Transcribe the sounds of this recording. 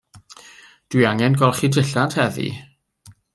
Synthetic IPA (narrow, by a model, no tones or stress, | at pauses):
d̥wiaŋɛnɡɔlˠχidɪɬadhɛðḭ